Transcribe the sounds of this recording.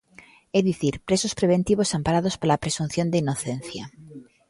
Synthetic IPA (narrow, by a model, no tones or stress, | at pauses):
eðiθiɾpɾe̞sospɾe̞β̞e̞nt̪iβ̞o̞sampaɾað̞o̞spalapɾe̞sun̟θjo̞nd̪eino̞θẽ̞n̟θja